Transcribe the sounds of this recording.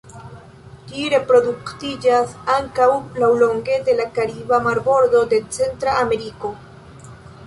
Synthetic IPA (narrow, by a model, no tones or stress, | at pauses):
d͡ʒiɾe̞pɾo̞duktid͡ʒasaŋkawlawlo̞ŋɡe̞de̞lakaɾibamaɾbo̞ɾdo̞de̞t͡se̞ntɾaame̞ɾiko̞